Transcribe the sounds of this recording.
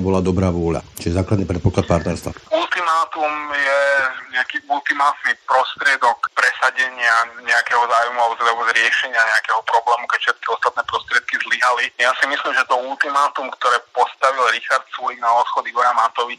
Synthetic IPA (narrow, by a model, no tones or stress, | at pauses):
ɛbɔlad̪ɔbɾaːʋʊɔʎa̰t͡ʃiɛzaːklad̪nipɾɛt̪̚pɔklat̪̚paɾt̪ɛɾst̪a̰ult̪imaːt̪umjɛɲɛakiult̪imaːt̪nipɾɔst̪ɾɪɛd̪ɔkpɾɛsaɟɛɲɪaɲɛakɛɦɔzaːwjmuazlɛbuzɾɪɛʃɛɲɪaɲɛakɛɦɔpɾɔblɛːmukɛcfʃɛt̪̚kiɔst̪at̪̚nɛːpɾɔst̪ɾɪɛt̪̚kizliɦalijasimislimʒɛt̪ɔult̪imaːt̪umkt̪ɔɾɛːpɔst̪aʋilɾixaɾt̪suliɡnaɔt̪xɔd̪iɡɔɾamat̪ɔʋi